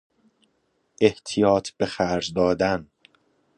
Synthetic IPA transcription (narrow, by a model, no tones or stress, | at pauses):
ʔe̞ht̪ʰijɒːt̪ʰb̥exæɾzd̪ɒːd̪æn